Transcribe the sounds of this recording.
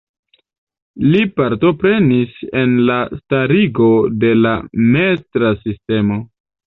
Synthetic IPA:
lipaɾto̞pɾe̞nise̞nlastaɾiɡo̞de̞lamestɾasiste̞mo̞

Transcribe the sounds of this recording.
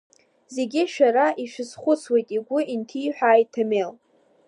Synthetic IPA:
ze̞ɡʲɪʃᶣaɾaʔiʃɪsχʷʊt͡sʰwe̞jtʼiɡʷʊintʰiːħʷᶣaːjtʰːamel

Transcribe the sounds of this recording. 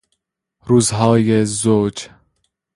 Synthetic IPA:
ɾuːzɦɒːjezod͡ʒ

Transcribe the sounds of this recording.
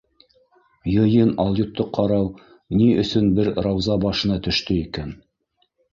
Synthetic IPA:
jɤ̆jɤnɑlˠjut̪ːɤqʰːɑɾɑw | niɵ̆sɵnbɘɾrɑwzɑbɑʃɤ̆nɑt̪ɵ̆ʃt̪ɵikæn

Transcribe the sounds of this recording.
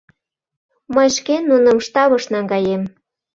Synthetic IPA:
məjʃkenːunə̆mʃt̪ɑβɤʃnɑŋɡɑjem

